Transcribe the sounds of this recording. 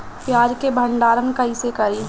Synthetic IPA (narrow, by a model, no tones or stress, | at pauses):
pjaːd͡ʒkebʱə̃ɳɖaːɾənkɐisekəɾi